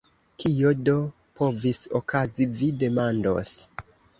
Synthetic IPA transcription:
kʰijo̞do̞ | po̞viso̰kʰazivide̞mando̞̰s

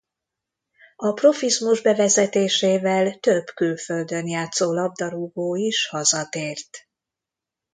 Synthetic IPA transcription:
ɒpro̞fizmuʒbɛvɛzɛt̪eːʃeːvɛlt̪øbkylføld̪ønjaːt̪soːlɒb̚d̪ɒɾuɡoːiʃhɒzɒt̪eːrt̪

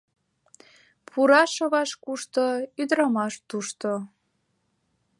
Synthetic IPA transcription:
pʰuɾɑʃəβɑʃkuʃt̪oyd̪ɾɑmɑʃt̪uʃt̪o

